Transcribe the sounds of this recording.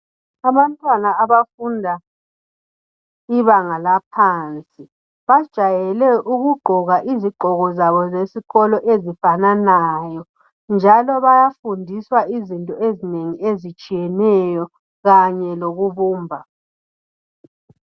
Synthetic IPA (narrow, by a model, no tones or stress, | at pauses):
aβantʼwanaːβafundʱa | iβaŋalap̚ʰaːnt͡sʼi | βad̥ʒ̥ʱajɛlɛʔuɣuɡ͡ǃʱɔɣaʔiziɡ͡ǃʱɔɣɔzaβɔzesiɣɔlɔʔezifananajɔ | nd͡ʒʱalɔβajafundʱiswaizintʼɔezineŋiezit͡ʃʼijɛnɛjɔ | ɣaɲɛloɣuβuːmbʱa